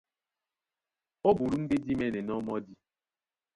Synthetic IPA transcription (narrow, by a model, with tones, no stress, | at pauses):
ɔ˦bu˨ɾu˦n̩˦de˦di˦mɛ˦˨nɛ˨nɔ˦mɔ˦di˦